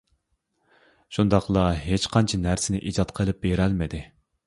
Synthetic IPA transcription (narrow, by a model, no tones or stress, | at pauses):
ʃund̪ɑqlˠɑɦet͡ʃqʰɑnt͡ʃʰinæɾsɪnɪʔid͡ʒɑt̪qʰəlˠɨp̚beɾɛlmɪd̪ɪ